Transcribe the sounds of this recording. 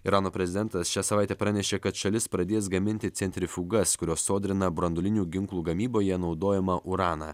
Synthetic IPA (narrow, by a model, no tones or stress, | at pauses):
ɪɾɑːnoːpʲɾʲɛzʲɪd̪ʲɛnt̪ɐsʃʲæːsɐʋɑˑɪt̪ʲɛːpɾɑnʲɛʃʲeːkɐt̪ʃɐlʲɪspɾɐd̪ʲeːs̬ɡɐmʲɪnʲt̪ʲɪt̪sʲɛnʲt̪ʲɾʲɪfʲuːɡɐskʊɾʲoːsːoːd̪ʲɾʲɪnɐbɾɐnd̪ʊlʲɪnʲuːɡʲɪŋklˠuːɡɐmʲiːboːjɛnɒʊd̪oːjɛmɐʔʊɾɑːnɑ̰ː